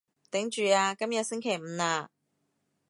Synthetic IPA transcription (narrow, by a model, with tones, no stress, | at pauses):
t̪ɪ˨˥ŋt͡ʃyː˨aː˧kɐ˥mjɐ˨t̚sɪ˥ŋkʰe˨˩jm̩ː˨˧aː˧